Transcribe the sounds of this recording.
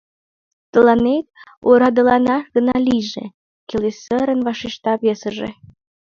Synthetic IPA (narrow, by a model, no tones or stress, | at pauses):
t̪əlɑnet̪̚ | oɾɑd̪əlɑnɑɡə̆nɑlʲiʒḛ | kʲelesəɾənvɑʃiʃt̪ɑβesəʒḛ